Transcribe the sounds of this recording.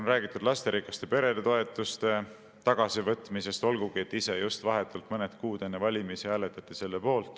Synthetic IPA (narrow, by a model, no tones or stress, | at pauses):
nræːɡ̥it̪ːˑud̪̥lɑst̪e̞ɾikːˑɑst̪e̞pe̞ɾe̞d̪̥et̪o̞e̞t̪ːˑust̪e̞ | t̪ɑɡ̥ɑsivɤt̪ˑmise̞st̪o̞lɡuɡ̥ie̞t̪ːise̞just̪vɑɦe̞t̪ːˑult̪mɤned̪kuːd̪e̞nːevɑlʲimisihæːle̞t̪ːˑɑt̪ːˑise̞lːepo̞ːlt̪ˑ